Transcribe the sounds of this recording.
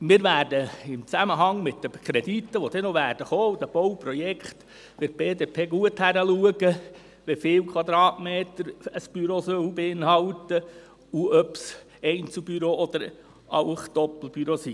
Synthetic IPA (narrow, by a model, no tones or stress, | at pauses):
mɪːɾʋæːrdəɪmt͡sæməɦɑŋmɪtd̥̪əkʰɾɛd̪it̪ːəʋod̥̪ɛnoʋæːrd̥əχoːud̥̪əb̥owpɾɔjɛkχt̪ | fɪɾ̚b̥eːdeːpʰeːɡuəthæɾəluəɡə | ʋɛfɪːwkʰwɑd̪ɾɑːtmeːt̪əɾəsb̥yɾosœwbeɪnhɑwt̪ə | uœps | ɛɪnt͡subyɾoːɔd̪̥əɾ | ɑʊχd̪̥ɔpl̩b̥yɾosi